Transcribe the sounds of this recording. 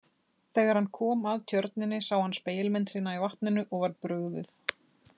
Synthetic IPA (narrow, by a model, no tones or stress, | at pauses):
θɛːɣaɾ̥hanːkʰɔːmaðt̪ʰjœɾt̪nɪnːɪsaːwhanspeːjɪlmɪnt̪siːnaivaht̪nɪnʏʔɔɣvaɾpɾʏɣðɪθ